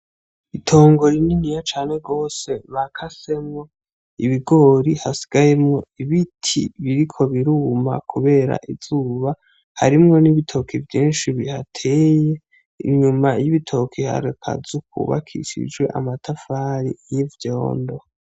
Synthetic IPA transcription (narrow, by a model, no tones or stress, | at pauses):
itʰo̞ːŋɡo̞ɾininijat͡ʃaːneɡo̞ːse̞βakʰase̞mŋo̞ | iβiɡo̞ːɾihasi̥ɡ̥ajemŋo̞iβitʰḭβiɾikʰo̞βiɾuːma̰kʰuβe̞ːɾa̰ʔivzuːβa | ha̰ɾimŋo̞niβitʰo̞kʰivjiːnʃiβihatʰe̞ːje | ḭɲumajiβitʰo̞kʰiha̰ɾekʰa̰zuk̚ṵβa̰kʰḭʃḭd͡ʒɡwe̞̰ʔa̰matʰafaːɾḭjivjo̰ːndo̞